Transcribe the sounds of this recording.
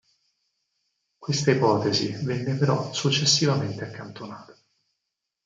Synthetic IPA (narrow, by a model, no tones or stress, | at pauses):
kwest̪aipɔːt̪ezivɛnːepeɾɔsut͡ʃːesːivament̪eakːant̪onaːt̪ḁ